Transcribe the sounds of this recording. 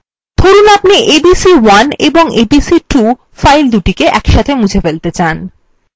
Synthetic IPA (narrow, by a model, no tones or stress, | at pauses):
t̪ʰoɾunapniʔebisiwanḛboŋebisiʈu | fajld̪uʈikeʔɛkʃat̪ʰemud͡ʑʱefelt̪et͡ɕan